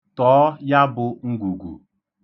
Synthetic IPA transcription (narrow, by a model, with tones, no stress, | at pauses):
tɔː˨˦ja˦bʊ˨ŋ̩˦ɡʷu˨ɡʷṵ˨